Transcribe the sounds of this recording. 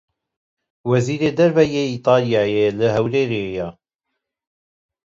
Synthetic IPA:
wɐziːɾeːd̪ɐɾbɛjeit̪ˤɑːljɑːjeləɦɐwɾeːɾeja

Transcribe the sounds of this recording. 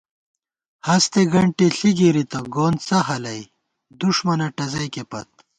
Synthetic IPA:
hɐst̪eɡɐɳʈeɬiɡiɾit̪ɐɡoːnt͡sɐɦɐlɐj | d̪uʂmɐnɐʈɐzɐjkepɐt̪̚

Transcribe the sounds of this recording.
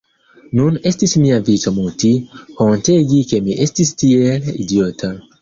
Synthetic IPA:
nunestismiavitamutikõnteɡikemiʔestistielidiotʰa

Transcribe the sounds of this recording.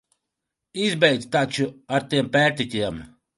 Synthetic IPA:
izbɛjd̪st̪at͡ʃuaɾt̪iɛmpæːɾt̪it̪ʲiɛm

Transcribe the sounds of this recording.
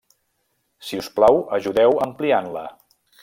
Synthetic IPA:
siusplawəʒuðɛwəmplianlə

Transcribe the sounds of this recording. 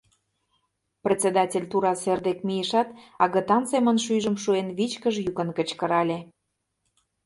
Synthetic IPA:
prʲet͡sed̪ɑtʲelʲt̪uɾɑserd̪ekmijəʃɑt̪ɑɣə̆t̪ɑnsemənʃyjʒə̆mʃuenβit͡ɕkəʒjukə̆nkə̆t͡ɕkə̆ɾɑlʲe

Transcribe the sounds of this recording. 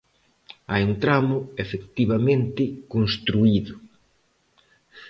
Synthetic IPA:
ajunt̪ɾamʊefekt̪iβamẽnt̪ɪkonst̪ɾuiðʊ

